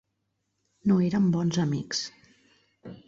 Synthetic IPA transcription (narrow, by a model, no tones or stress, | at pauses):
noeɾəmbɔnzəmḭks